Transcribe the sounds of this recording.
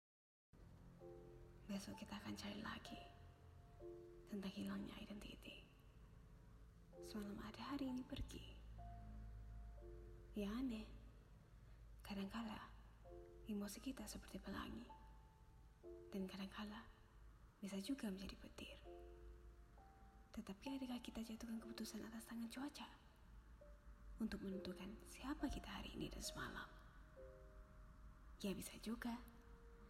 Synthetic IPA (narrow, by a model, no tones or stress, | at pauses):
basʊkit̪aːkant͡ʃaɾḭla̰ɡi | t̪ənt̪aŋhilaŋɲa̰idant̪iːt̪i | səmalamʔadaɦaɾiːnipərɡḭ | jaanɛ | kadaŋkala | imosikit̪asəpərt̪ipəla̰ŋi | d̥ankadaŋkʰala | bisad͡ʒuɡaməɲd͡ʒadipət̪ɪr | t̪ət̪apiadakahkit̪at͡ʃat̪ukankəput̪usanat̪ast̪aŋant͡ʃuat͡ʃa | unt̪ʊk̚mənənt̪ukansiapakit̪aɦa̰ɾḭːnḭda̰nsəma̰la̰m | ijabisad͡ʒuɡa